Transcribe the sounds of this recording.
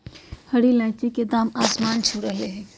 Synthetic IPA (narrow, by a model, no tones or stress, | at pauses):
hɐɽilɛ̃ːt͡ʃiked̪aːmaːsmaːnt͡ʃʰuɾɐɦeɦɛ̃ː